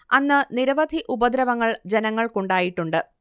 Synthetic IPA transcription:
ɐnːɨniɾɐʋɐd̪ʱiʔubɐd̪ɾɐʋɐŋːɐɭd͡ʑenɐŋːɐɭkoɳɖaːjiʈːuɳɖɨ

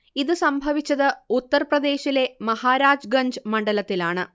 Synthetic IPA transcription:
iðɨsɐmbʱɐʋit͡ɕːɐðɨut̪ːɐrprɐd̪e̞ːɕile̞mɐhaːɾaːd͡ʑɡɐɲd͡ʑɨmɐɳɖɐlɐt̪ːilaːɳɨ

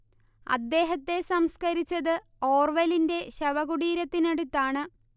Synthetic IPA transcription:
ɐ̰d̪ːe̞ːɦɐt̪ːe̞sɐmskɐɾit͡ɕːɐðɨ | o̞ːrʋɐlinde̞ɕɐʋɐɣuɽiːɾɐt̪ːineɽut̪ːaːɳɨ

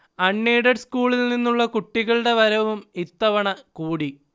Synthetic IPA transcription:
ɐɳːeːɽɐɖskuːɭilninːuɭːɐkuʈːiɣɐɭɽe̞ʋɐɾɐʋumit̪ːɐʋɐɳɐkuːɽi

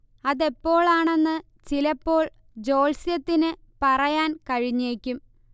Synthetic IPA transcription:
ɐðe̞pːo̞ːɭaːɳe̞nːɨ | t͡ɕilɐpːo̞ːɭ | d͡ʑo̞ːlsjɐt̪ːinɨ | pɐrɐjaːnkɐɻiɲːe̞ːkʲːum

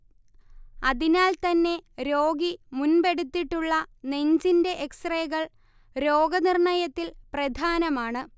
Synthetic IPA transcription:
ɐðinaːlt̪ɐnːe̞ɾo̞ːɡimunbe̞ɽut̪ːiʈːuɭːɐne̞ɲd͡ʑinde̞ʔeksreːɣɐɭ | ɾo̞ːɡɐnirɳɐjɐt̪ːilprɐd̪ʱaːnɐmaːɳɨ

